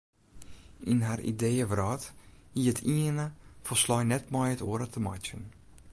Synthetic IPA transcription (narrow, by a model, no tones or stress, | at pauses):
inɦarḭdejəvrɔːthiətʰiənəfəslɔjnɛtmɔjətoəɾətʰəma̰t͡ʃən